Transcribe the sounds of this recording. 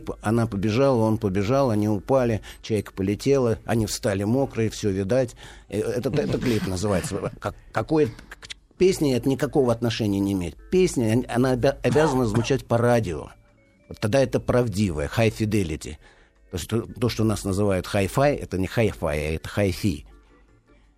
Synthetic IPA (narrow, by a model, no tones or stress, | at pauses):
pɐnapəbʲɪʐalˠəonpəbʲɪʐalˠɐnʲiʊpalʲɪt͡ɕajkə̥pəlʲɪtʲe̞lˠəɐ̰nʲifst̪alʲɪmo̞kɾəɪfsʲɵvʲɪd̪atʲɛt̪ət̪ɛt̪əklʲipnəzɨvajɪt̪səkɐkɐko̞jə | pʲesʲnʲɪɛt̪ənʲɪkɐko̞vəɐt̪nɐʂɛnʲɪjənʲɪɪmʲeɪt̚ʲpʲesʲnʲɪɐnaɐbʲazənəzvʊt͡ɕætʲpɐradʲɪo̰ | vot̪ːɐɡ̚d̪aɛt̪əpɾɐvdʲivəjəxajfʲɪd̪ʲelʲɪtʲɪ̰ | t̪oɪsʲtʲt̪o̞ʂt̪onasnəzɨvajʊt̪xajfajɛ̰t̪ənʲɪxajfa̰ja̰ɛt̪ə̥xajfʲḭ